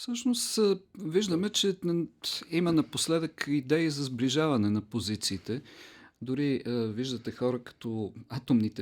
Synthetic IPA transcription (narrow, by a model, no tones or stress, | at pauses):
fsɤʃnost̪viʒd̪əmɛt͡ʃɛ | imɐnɐposlɛd̪əkid̪ɛizɐzbliʒavɐnɛnɐpozit̪siːt̪ɛd̪ʊɾiviʒd̪ɐt̪ɛxɔɾəkɐ̥t̪ɔat̪omnit̪ɛ